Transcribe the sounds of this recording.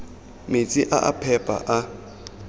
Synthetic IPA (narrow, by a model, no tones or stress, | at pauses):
met͡sʼiʔaʔa̰pʰɛpʼa̰ʔa